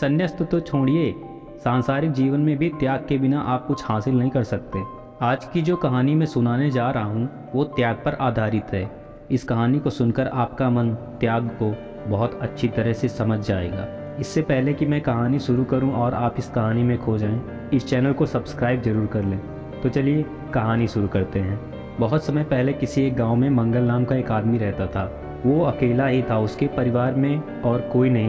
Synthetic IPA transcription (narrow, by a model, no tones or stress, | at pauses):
sɐnjəst̪ət̪ot͡ʃʰoːɽie | sãːnsaːɾɪk̚d͡ʒiːʋənmẽbʱit̪jaːɡ̚kebɪnaʔaːp̚kʊt͡ʃʰhaːsɪlnɐɦĩkɐɾsɐk̚t̪eː | aːd͡ʒkid͡ʒoːkɐɦaːnimẽsʊnaːned͡ʒaːɾɐɦaɦũ | ʋot̪jaːɡ̚pɐɾʔaːd̪ʱaːɾɪt̪ɦɛː | ɪskɐɦaːnikosʊnkəɾaːpkamɐ̃nt̪jaːɡko | bɔɦʊt̪ɐtːʃʰit̪ɐɾəɦsesɐməd͡ʒʱd͡ʒaːḛːɡa̰ː | ɪsːepɛɦlekimɛ̃kɐɦaːniʃʊɾukɐɾũʔɔːɾaːpɪskɐɦaːnimẽkʰoːd͡ʒaːẽ | ɪst͡ʃɛːnəlkosɐbskɾaːɪbzɐɾuːɾkɐɾlẽː | t̪ot͡ʃɐlie | kɐɦaːniʃʊɾukɐɾt̪eɦɛ̃ː | bɐɦʊt̪sɐməjpɛɦlekɪsieːk̚ɡãːʊmẽmɐ̃ŋɡəlnaːmkaeːkaːd̪miɾɛɦt̪at̪ʰaː | ʋoɐkeːlaɦit̪ʰaʊskepɐɾɪʋaːɾmẽ | ɔːɾkoːinɐɦĩ